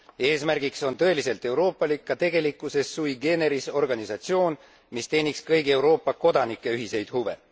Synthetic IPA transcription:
e̞ːsmærɡ̥ikso̞nt̪ɤe̞lise̞lt̪ˑe̞wɾo̞ːpˑːɑlikːɑt̪e̞ɡ̥e̞likːˑuse̞sːujiɡe̞ːne̞ɾiso̞rɡ̥ɑnisɑt̪sio̞ːn | mist̪e̞ːnʲikskɤjɡie̞wɾo̞ːpˑːɑko̞d̪ɑnikˑːe̞yɦise̞jd̪̥huve̞

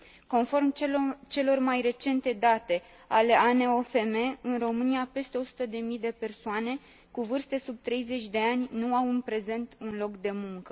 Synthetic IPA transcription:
ko̞nfo̞rmt͡ʃe̞lo̞rmajre̞t͡ʃe̞nt̪e̞d̪at̪e̞ | ale̞ʔaneo̞fe̞me̞ɨnro̞mɨniape̞st̪e̞o̞su̥t̪əd̪e̞mid̪e̞pe̞rsoane̞ | kuvɨrst̪e̞sub̚t̪ɾe̞jze̞t͡ʃʲd̪e̞anʲnuawɨnpɾe̞ze̞nt̪unlo̞kd̪e̞muŋkə

